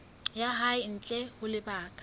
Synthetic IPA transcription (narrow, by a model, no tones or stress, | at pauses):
jaɦaɪn̩t͡ɬʼɛhʊlɪbaːkʼḁ